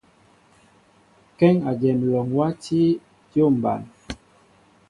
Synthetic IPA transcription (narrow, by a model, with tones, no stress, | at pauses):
kɛ˦ŋa˨d͡ʒɛ˨m˨lɔ˨ŋwa˦ti˦ | tjo˦˨m̩˨ba̰˨n